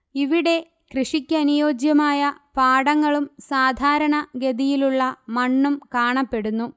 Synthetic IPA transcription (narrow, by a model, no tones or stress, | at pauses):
iʋiɽe̞ | krɨʂikʲːɐɐnijo̞ːd͡ʑjɐmaːjɐpaːɽɐŋːɐɭumsaːd̪ʱaːɾɐɳɐɡe̞d̪ijiluɭːɐmɐɳːumkaːɳɐpːe̞ɽunːu